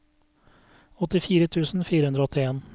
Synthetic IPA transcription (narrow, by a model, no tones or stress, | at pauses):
ɔt̪ɪfiːɾət̪ʰʉːsn̩fiːɾəhʉnd̪ɾɔɔt̪ɪeːn